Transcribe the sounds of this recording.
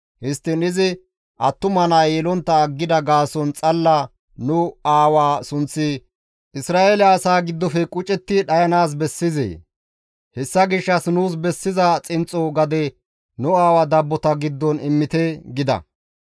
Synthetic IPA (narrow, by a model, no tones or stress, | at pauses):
hɪst̪ːɪnɪzɪ | ʔɐt̪ːʊmɐnajɛlɔnt̪ːɐːɡːɪd̪ɐɡaːsɔnt͡sʼɐlːɐ | nʊaːwaːsʊnt͡sːɪ | ʔɪsɾaːʔelɛɐsaːɡɪd̪ːɔfɛkʼʊt͡ʃʼɛt̪ːɪɗɐjɐnaːs̬bɛsːɪzḛː | hɛsːɐɡɪʃːɐsnuːs̬bɛsːɪzɐt͡sʼɪnt͡sʼɔɡɐd̪ɛ | nʊaːwɐd̪ɐbːɔt̪ɐɡɪd̪ːɔnɪmːɪt̪ɛɡɪd̪ɐ̰